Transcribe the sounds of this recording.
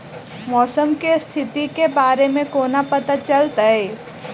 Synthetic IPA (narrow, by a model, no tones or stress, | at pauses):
mɔːsəmkest̪ʰɪt̪ikebaːɾemẽkoːnapɐt̪at͡ʃɐlt̪aɦeː